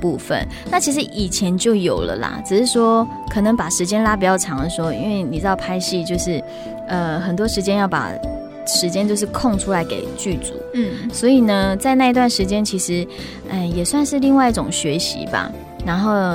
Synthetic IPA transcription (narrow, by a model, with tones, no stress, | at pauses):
pu˥˧fə̰˨n | na˥˩t͡ɕʰi˧˥ʂ̬̩˧˥ʔi˨˩t͡ɕʰjɛ˧˦˥nt͡ɕjo˥˩ʊjo˨˩ʊlə̰˨˦la̰˩ʈ͡ʂɻ̩˨˩ʂɻ̩˥˩ʂwɔ˥ | kʰɤ˨˩nə˧˥ŋpa˨˩ʂɻ̩˧˥t͡ɕjɛ˥nla˥pi˨˩t͡ɕjɑ˥˩ʊʈ͡ʂʰɑ˧˥ŋd̪ə˨˩ʂɻ̩˧˥xo˧ḭ˧˥nwe˥˩ɪni˨˩ʈ͡ʂɻ̩˥˧ɑ˥˩ʊpʰa˥ɪɕi˥˧t͡ɕjo˥˧ʊʂɻ̩˥˩ | ə˧xə˨˩nt̪wɔ˥ʂɻ̩˧˥t͡ɕjɛ˥njɑ˥˩ʊpa̰˨˩ | ʂɻ̩˧˥t͡ɕjɛ˥nt͡ɕjo˥˧ʊʂ̬ɻ̩˥˧kʰo˥˧ŋʈ͡ʂʰu˥la˧˥ɪkḛ˨˩ɪt͡ɕy˥˩t͡sṵ˨˦swɔ˧˥i˨˩nə˦t͡sa˥˧ɪna˥˩i˧˥t̪wa˥˩nʂɻ̩˧˥t͡ɕjɛ˥nt͡ɕʰi˧˥ʂɻ̩˧˥ | ʔə˧˩jɛ˨˩swa˥˧nʂɻ̩˥˧li˥˧ŋwa˥˧ɪi˥˩ʈ͡ʂʊ˨˩ŋɕɥɛ˧˥ɕḭ˧˥ba̰˨˩ | na˧˥nxo˥˩ʊ